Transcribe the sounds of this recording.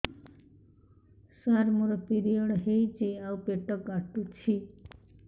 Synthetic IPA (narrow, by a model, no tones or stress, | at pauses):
saɾmuɾʌpiɾijʌɽɦejt͡siawpeʈːʌkɡaʈːut͡sʰi